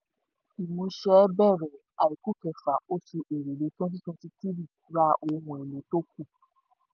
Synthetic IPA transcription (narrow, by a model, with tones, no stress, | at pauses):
i˨mõ˧ʃɛ˨˦bɛ˦˨ɾɛ˨ | a˨i˨ku˦kɛ˨fa˨o˦su˧ʔe˨ɾe˨le˨˦tɔ̃˦t̬i˦tũ˦ti˦ti˦ɾi˦˨˦ɾa˦ʔo˧˨˦wɔ̃˨e˨lo˨˦to˦ku˦˨